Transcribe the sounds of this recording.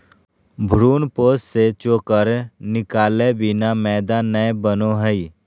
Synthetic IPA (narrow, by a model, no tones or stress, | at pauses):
bʱɾuːnpoːsset͡ʃoːkəɾnɪkaːlebɪnamɛːd̪aːnːəbənoɦəi